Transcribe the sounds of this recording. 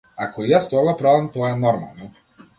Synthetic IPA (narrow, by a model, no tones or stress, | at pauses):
akɔjast̪ɔɡapɾɔvɛmt̪ɔɛnɔɾma̰lˠnɔ